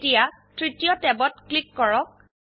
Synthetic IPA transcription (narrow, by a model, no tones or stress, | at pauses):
tija | tɹitijɔtɛbɔtklikːɔɹɔk̚